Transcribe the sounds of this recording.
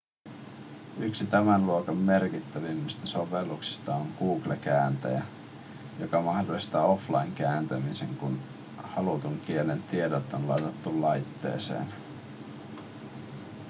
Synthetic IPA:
yksit̪æmænluokɑmːe̞rkit̪ːæʋimːist̪ɑso̞ʋelːuksi̥st̪ɑoŋkuːklekæːnt̪æ̰jæ̰ | jo̞kɑmɑhdolːˑist̪ɑːo̞flɑjŋk̟æːnt̪æmiseŋkun | hɑlut̪uŋk̟ie̞lːent̪ie̞dot̪ːonlɑjt̪ɑt̪ːullɑjt̪ːḛːsḛːn

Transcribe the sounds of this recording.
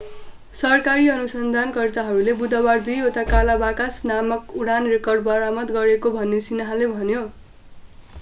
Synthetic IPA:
sʌrkaɾiʌnusʌnd̪ʱankʌrt̪aɦʌɾulebud̪ʌbard̪ujot̪akalabakasnamʌkuɽanrekʌrɖbʌɾamʌt̪ɡʌɾekobʱʌnːesinʌɦalebʱʌnjo

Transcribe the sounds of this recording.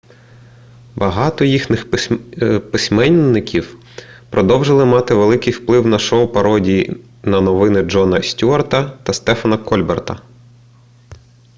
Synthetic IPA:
bɐɦɑt̪ɔjixnɪx | pɪsʲmɛnʲːɪkʲiw | pɾɔd̪ɔwʒɪlˠɪmɑt̪ɪʋelˠɪkɪjwplˠɪwnɐʃɔwpɐɾɔdʲiji | nɐnɔʋɪnɪd͡ʒɔnɐsʲtʲuɐrt̪ɐt̪ɐst̪ɛfɐnɐkʰɔlʲbɛrt̪ɐ

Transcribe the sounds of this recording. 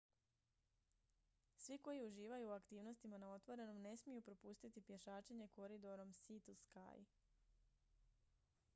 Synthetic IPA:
sʋiko̞jiuʒiːʋajuːakt̪iːʋno̞st̪imanao̞t̪ʋo̞ɾe̞no̞mne̞smijupɾo̞puːst̪it̪ipje̞ʃaːt͡ʃeɲe̞ko̞ɾid̪o̞ɾo̞msit̪uska̰ːji

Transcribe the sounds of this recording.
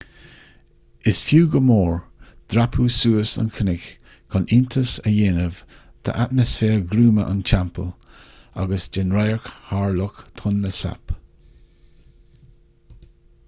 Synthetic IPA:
ɪsfjuːɡəmoːɹd̪̥ɾapʰuːsuːəsə̰nkʰənɪk | kʰɔnɪnt̪ʰəsəjɪnəv̥ | t̪ʰə̰ʔat̪̚məsfeːɹɡɾuːməʔa̰nt͡ʃʰampʰə̰la̰ɡəsd͡ʒɛnɾajəɹkhaːɹlʊkt̪ʰʊnləsa̰p

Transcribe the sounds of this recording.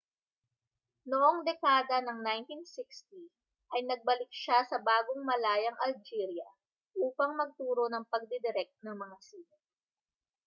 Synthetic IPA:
noʔoŋd̪ɛkaːd̪ɐnɐŋnajnt̪insɪkst̪i | ʔɐjnɐɡ̚bɐlɪk̚ʃasɐbaːɡoŋmɐlaːjɐŋʔɐld͡ʒiːɾjɐ | ʔuːpɐŋmɐɡ̚t̪uːɾo̞nɐŋpɐɡ̚d̪ɛd̪ɪɾɛk̚t̪̚nɐŋmɐŋasiːlo

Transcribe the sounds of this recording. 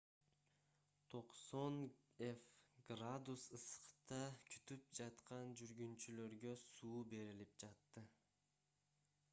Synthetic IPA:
t̪ʰo̞qso̞n | efɡrad̪usɯsqt̪ɑkʰy̥t̪yp̚d͡ʒɑt̪qɑnd͡ʒyɾɡynt͡ʃylø̞ɾɡø̞suːbe̞ɾilip̚d͡ʒɑt̪ːɯ

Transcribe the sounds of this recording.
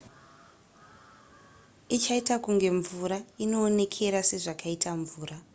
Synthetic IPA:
it͡ʃaitakuŋɡe̞ɱvuɾaino̞ːne̞kʰe̞ɾase̞ʐakʰaitʰaɱvuːɾa

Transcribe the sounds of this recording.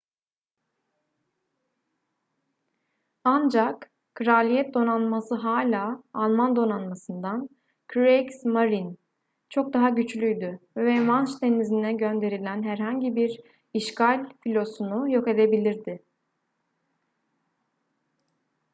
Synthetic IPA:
and͡ʒak | kːɾalʲijɛt̪̚d̪o̞nanmasɯɦaːlʲaːlˠmand̪o̞nanmasɯnd̪an | kʰɾeksmaɾin | t͡ʃʰo̞k̚d̪aɦaɟyt͡ʃlʲyjd̪yvɛmant͡ʃt̪ʰenizinɛɟø̞nd̪e̞ɾilʲænɦæɾɦaɲɟibiɾ | iʃkalʲfilʲo̞sunujo̞ke̞d̪e̞bilʲiɾd̪ɪ

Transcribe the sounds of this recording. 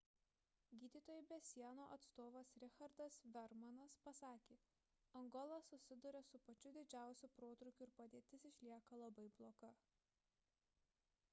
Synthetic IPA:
ɡʲiːd̪ʲiːt̪oːjɛbʲɛsʲiɛnoːʔɐt̪st̪oːʋɐsɾʲɪxɐɾd̪ɐsʋʲɛɾmɐnɐspɐsɑːkʲeː | ɐŋɡɔlˠɐsʊsʲɪd̪ʊɾʲɛsʊpɐt͡ʃʲʊd̪ʲɪd͡ʒʲæˑʊsʲupɾoːt̪ɾʊkʲʊɪɾpɐd̪ʲeːt̪ʲɪsɪʃʲlʲiɛkɐlˠɐbɐɪblˠoːɡɐ

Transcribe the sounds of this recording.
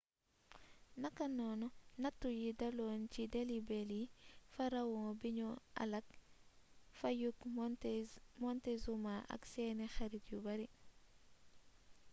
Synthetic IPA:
nɐkanonɔnɐtːujidaloːncidelibelifaɾawoŋbiɲɔʔa̰lɐk̚ | fajuk | mɔntezumaʔa̰kseːnexaɾitjubaɾi

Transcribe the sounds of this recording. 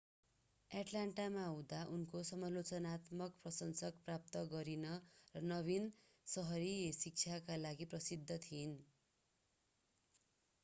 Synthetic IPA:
aʈlaɳʈamaʌwd̪aʔunkosʌmʌlot͡sʌnat̪mʌkprʌsʌnsʌkprap̚t̪ʌɡʌɾinʌrʌnʌβin | sʌɦʌɾisik̚t͡sʰjakalaɡiprʌsid̪ʱːʌt̪ʰin

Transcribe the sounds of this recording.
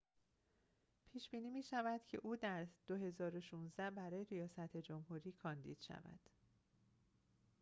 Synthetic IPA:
pʰiːʃb̥iːniːmiːʃævæd̪̥cʰe̞̰ʔuːd̪æɾd̪̥oɦe̞zɒːɾo̞ʃuːnzd̪æbæɾɒːjeɾijɒːsæt̪ʰed͡ʒo̞mhuːɾiːkʰɒːnd̪ḭːd̪̥ʃæ̰væ̰d̪̥

